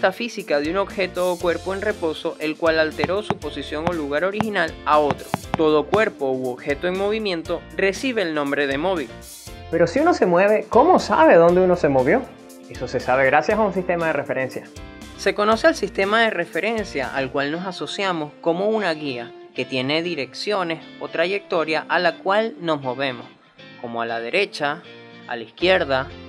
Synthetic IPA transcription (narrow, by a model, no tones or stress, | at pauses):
t̪afisikaðeuno̞bxe̞t̪o̞ːkwe̞ɾpoenre̞po̞so̞ʔe̞lkwalalt̪e̞ɾo̞supo̞sisjo̞ŋoluɣaɾo̞ɾixinalao̞t̪ɾo̞t̪o̞ð̞o̞kwe̞ɾpo̞uoβxe̞t̪oeŋmo̞β̞imjẽ̞nt̪o̞re̞siβ̞e̞ːlnõ̞mbɾe̞ð̞e̞mo̞β̞il | pe̞ɾo̞siuno̞se̞mwe̞β̞e̞komo̞sa̰βe̞ðo̞nd̪eunose̞mo̞βjo̞ | e̞so̞se̞saβeɣɾasjasaunsist̪e̞maðe̞rʔefe̞ɾe̞nsjase̞ko̞no̞se̞alsist̪e̞maðere̞fe̞ɾe̞nsja̰ʔalkwalno̞saso̞sjamo̞skomo̞unaɣia | ke̞t̪je̞ne̞ðiɾe̞ksjo̞ne̞s | o̞t̪ɾaʝe̞k̚t̪o̞ɾjaʔalakwalno̞zmo̞βe̞mo̞s | ko̞mo̞alað̞e̞ɾʔe̞t͡ʃa | a̰laiskje̞ɾða